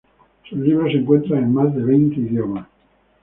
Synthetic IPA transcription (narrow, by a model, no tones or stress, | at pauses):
sulːibɾoseŋkwent̪ɾanelmazd̪eβent̪eid̪joma